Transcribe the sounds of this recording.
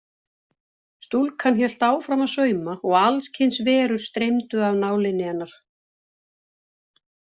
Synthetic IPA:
st̪ulkʰançɛl̥t̪aːwfɾamaðsœːɥmaɔɣalscʰɪnsvɛːɾʏɾ̥st̪ɾejmt̪ʏavnaːwlɪnːɪanːaɾ̥

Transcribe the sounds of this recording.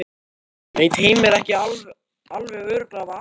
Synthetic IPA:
veːjt̪hejmɛɾɛhcɪal | alvɛɣœːɾʏklava

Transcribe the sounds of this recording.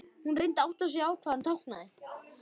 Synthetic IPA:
hunrejnt̪awht̪as̬ɛaːwkʰvaːðant̪ʰawhkna̰ðɪ

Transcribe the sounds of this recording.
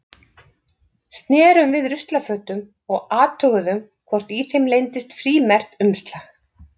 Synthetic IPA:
st̪nɛːɾʏmvɪðɾʏst̪lafœːt̪ʏm | ɔɣaːt̪ʰœɣʏðʏmkʰvɔr̥t̪iθejmlejnt̪ɪst̪fɾiːmɛr̥t̪ʏmst̪lax

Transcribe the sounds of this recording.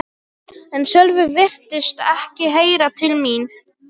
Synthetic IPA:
ɛnsœlvʏvɪr̥t̪ɪst̪ɛhcɪɦeːjɾat̪ʰɪlmin

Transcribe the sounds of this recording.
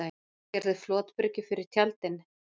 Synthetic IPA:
a | ɛɾðɪflɔːt̪pʏɾcɪfɪɾɪ̥t̪ʰjalt̪ɪn

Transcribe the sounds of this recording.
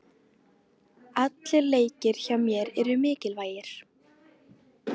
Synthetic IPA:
at̪lɪɾleːjcɪɾ̥çawmjɛɾɛɾʏmɪːcɪlvaːjɪɾ̥

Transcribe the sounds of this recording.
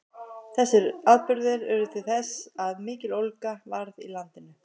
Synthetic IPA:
θɛsːɪɾaðpʏɾðɪɾɛɾʏt̪ʰɪlθɛsaðmɪːcɪlolkavaɾðḭlant̪ɪnʏ

